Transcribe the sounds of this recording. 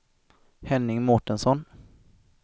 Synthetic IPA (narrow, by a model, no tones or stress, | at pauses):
hɛnːɪŋmɔʈənsɔn